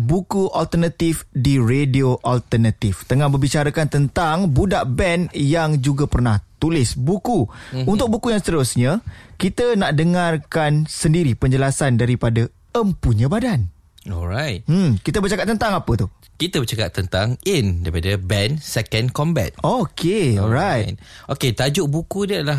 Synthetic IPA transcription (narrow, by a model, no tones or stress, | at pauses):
bukuʔalt̪ərnat̪ifdiɾedioʔalt̪ərnat̪ift̪əŋãhbəbit͡ʃaɾakant̪ənt̪aŋbudaʔbɛnjaŋd͡ʒuɡapərnaht̪ulɪsbukuunt̪ʊk̚bukujaŋst̪əɾʊsɲãkit̪ənaʔdəŋarkansəndiɾipəɲd͡ʒəlasandaɾipada | əmpuɲə̃badan | ɔlɾajt̚m̩kit̪əbərt͡ʃakat̚t̪ːənt̪aŋapət̪u | kit̪əbət͡ʃaka̰ʔt̪ːənt̪aŋindaɾipadabɛnsɛkənkɔmbɛ̰t̪̚okʰeɔlɾaj̚ʔoket̪ad͡ʒʊʔbukudialah